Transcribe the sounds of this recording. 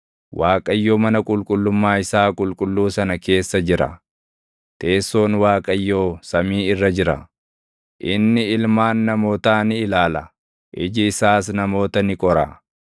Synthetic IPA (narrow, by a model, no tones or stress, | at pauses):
waːkʼɐjːoːmɐnɐkʼʊlkʼʊlːʊmːaːɪsaːkʼʊlkʼʊlːuːsɐnɐke̞ːsːɐd͡ʒɪɾɐ̰ | t̪e̞ːsːo̞ːnwaːkʼɐjːo̞ːsɐmiːɪrːɐd͡ʒɪɾɐ̰ | ʔɪnːɪɪlmaːnːɐmo̞ːt̪aːnɪɪlaːlɐ | ʔɪd͡ʒɪːsaːsnɐmo̞ːt̪ɐnɪkʼɔɾɐ̰